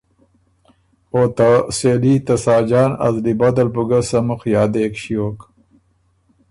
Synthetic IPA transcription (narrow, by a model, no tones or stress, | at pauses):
oːt̪aseːliːt̪ɐsaːd͡ʑaːnɐ̰zlibɐd̪ɐlpuɡɐsɐmuxjaːd̪eːkɕioːk